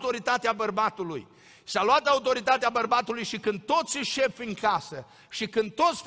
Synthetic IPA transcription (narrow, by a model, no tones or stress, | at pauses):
t̪o̞ɾit̪at̪eabərbat̪uluj | saluat̪aut̪o̞ɾit̪at̪eabərbat̪ulujʃikɨnd̪̚t̪o̞t̪sʲiʃe̞pfʲɨŋkasə | ʃikɨnd̪̚t̪o̞t̪sʲf